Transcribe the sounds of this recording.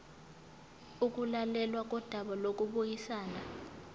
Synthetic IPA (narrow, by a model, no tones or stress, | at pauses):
uk̬ʼulalɛlwak̬ʼɔd̥ʱaɓalok̬ʼuɓujisaːna